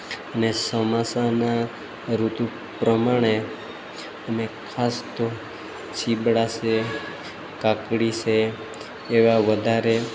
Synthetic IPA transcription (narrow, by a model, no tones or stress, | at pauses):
ənesəmasana | ɾut̪u | pɾəmaɽ̃e | əmekʰast̪o | t͡ʃibɽase | kakɽiʃeː | ʋaʋəd̪ʱaɾe